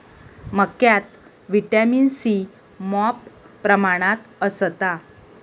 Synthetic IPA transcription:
məkjat̪ | ʋiʈaminsi | mɔpː | ɾəmaɽ̃at̪əsət̪a

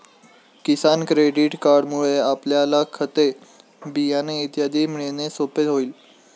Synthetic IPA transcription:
kisankɾeɖiʈkaɾɖmuɭeapljalakʰət̪e | bijaneit̪jad̪ʱiːm̤iɭenesopet̪ɦoiːl

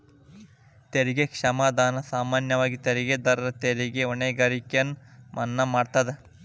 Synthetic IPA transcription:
t̪eɾiɡekʂɐmaːd̪aːnɐsaːmaːnjɐʋaːɡit̪eɾiɡed̪ɐɾɐɾɐt̪eɾiɡeoneːɡaːɾikjɐnmʔɐnːɐmaːɖt̪ɐd̪e

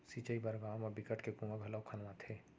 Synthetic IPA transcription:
sit͡ʃəibɐɾɡaːməbɪkəʈkekũŋɡabʱɛlakʰɐnʋãt̪ʰeː

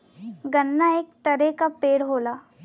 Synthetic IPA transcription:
ɡənːaeːk̚t̪əɾekapeːɽɦoːlaː

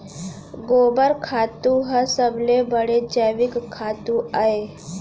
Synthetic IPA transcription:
ɡoːbəɾkʰaːt̪ũɦəsəblebəɽed͡ʒaʋɪkkʰːaːt̪ũaːe

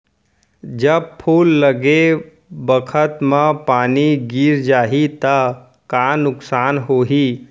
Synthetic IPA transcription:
d͡ʒəb̚pʰuːlːəɡe | bəkʰət̪mãpaːniɡiːɾd͡ʒaːɦit̪a | kaːnʊksaːnɦoːɦiː

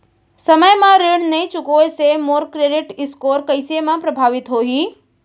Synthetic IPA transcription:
sɐməjmãɾɪɽ̃nɐĩt͡ɕʊkoesemoːɾkɾeːɖɪʈɪskoːɾkɐɪsemãpɾɐbʱaːʋɪt̪ɦoːɦiː

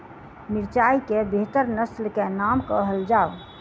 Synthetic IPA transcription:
miɾt͡ʃaikebʱet̪əɾnəslkenamkəɦəld͡ʒaw

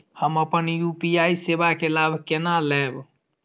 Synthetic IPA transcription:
həməpənjupijajsebakelabʱkenalɛb

